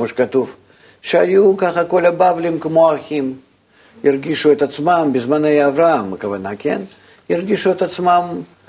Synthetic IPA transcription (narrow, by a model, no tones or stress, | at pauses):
oʃe̥kat̪uf | ʃeajukaχɐko̞lʲɐbavlʲimkmo̞axʲim | irɡʲiʃuet̪at̪smambʲɪzmanejaːvɾaamɐ̰kɐvanakʲe̞̰n | irɡʲiʃuet̪at̪smam